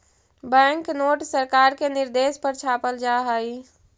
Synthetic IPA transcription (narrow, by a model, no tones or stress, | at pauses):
bɛ̃ŋknoːʈsəɾkaɾkenɪɾd̪espəɾt͡ʃʰapəld͡ʒaɦai